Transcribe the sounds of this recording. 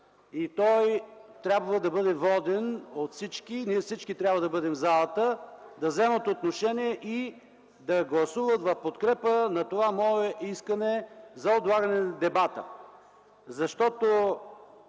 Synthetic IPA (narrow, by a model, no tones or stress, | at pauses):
it̪ɔjt̪ɾʲabvəd̪ɐbɤd̪ɛvɔd̪ɛnot̪fsit͡ʃkiniɛfsit͡ʃkit̪ɾʲjabvəd̪ɐbɤd̪ɛmvzalˠət̪əd̪ɐvzɛmət̪ot̪noʃɛniɛʔi | d̪ɐɡlˠɐsuvət̪vɐfpot̪kɾɛpənɐt̪ovamɔɛʔiskənɛzɐod̪lˠaɡɐnɛnɐd̪ɛbat̪ə̰ | zɐʃt̪ɔt̪o